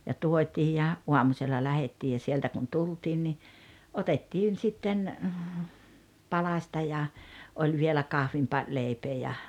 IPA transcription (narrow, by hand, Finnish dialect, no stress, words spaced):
jɑ tuotʲiː jɑ uɑmuselːɑ læhetːiː jɑ sieltæ kun tultiːn ni otetːiːn sitːen pɑlɑsʲtɑ jɑ olʲ ʋielæ kɑhʋimpɑ leˑipeː jɑ